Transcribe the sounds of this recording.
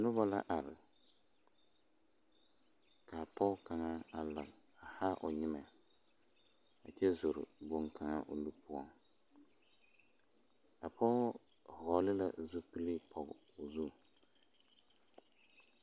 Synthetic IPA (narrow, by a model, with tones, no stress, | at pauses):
nʊ˦ba˦la̰˦ʔa˨ɾɪ̰˨ | ka˨pɔ˦ka˨ŋa˦a˨la˨ŋ | a˨ha˦ʔʊ˨ɲɪ˦ma˨ | a˨t͡ʃɛ˦zʊ˨ɾɪ̰˨bo˨ŋkʰa˨ŋa̰˦ʔʊ̰˨lu˦pʰʊ˦ɔ˦ŋ | a˨pʰɔ˦ | hɔ˨lɪ˦la˦˨zu˦pi˦li˦pʰɔ˨ɡ | o˨zu˦